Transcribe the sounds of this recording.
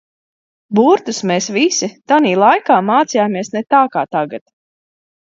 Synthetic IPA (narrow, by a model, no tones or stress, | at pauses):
buɾt̪usmeːsvisit̪aniːlˠajkaːmaːt̪sijaːmiɛsnɛt̪aːkaːt̪aɡat̪